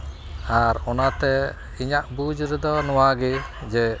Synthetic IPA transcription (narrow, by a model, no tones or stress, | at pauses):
aɾɔnat̪ɛ | iɲaʔbud͡ʒɾɛd̪ɔnɔwaɡɛd͡ʒɛ